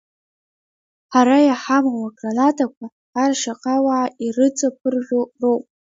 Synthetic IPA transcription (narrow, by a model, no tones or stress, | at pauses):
ħaɾajaħamwaɡranatʰʼakʷʰaː | rʂaqʼawaʕairɨt͡sʼapʰɨrʒʲᶣʷorowp̚ʼ